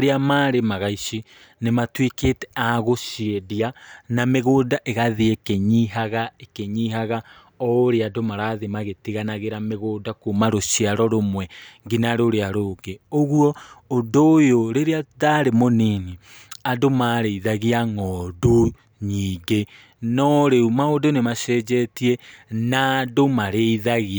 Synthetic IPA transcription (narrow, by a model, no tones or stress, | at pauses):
ɾeamaːɾemaɣaiʃi | nematweketɛ̥aɣoʃiedianameɣoːdaʔeɣaðeekeɲiɦaɣaekeɲiɦaɣa | ɔoɾeadomaɾaðemaɣetiɣanaɣeɾameɣoːdakomaɾoʃiaɾɔɾomwɛŋɡinaɾoɾeaɾoɡeoɣwɔːdojoɾeɾeaðaɾemonini | adomaɾeiðaɣiaŋɔdo | ɲiːŋɡe | nɔɾeumaodonemaʃɛd͡ʒɛtienadomaɾeiðaɣia